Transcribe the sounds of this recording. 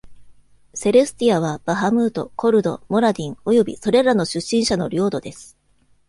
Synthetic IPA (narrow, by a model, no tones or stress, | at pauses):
se̞ɾɯsɨ̥t̪iaβ̞ab̥aɦamɯ̟ːt̪o̞̰kʰo̞ɾɯ̟d̪o̞̰mo̞ɾad̪ʲĩŋo̞jo̞bʲḭso̞ɾe̞ɾano̞ɕɨɕːĩɰ̃ɕano̞̰ɾʲo̞ːd̪o̞d̪e̞sɨ̥